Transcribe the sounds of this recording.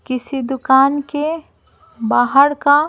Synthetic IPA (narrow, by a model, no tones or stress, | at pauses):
kɪsid̪ʊkaːnke | baːɦəɾka